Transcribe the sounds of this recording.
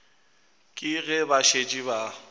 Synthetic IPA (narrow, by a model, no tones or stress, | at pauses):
kʼɪɣɛbaʃet͡ʃʼiba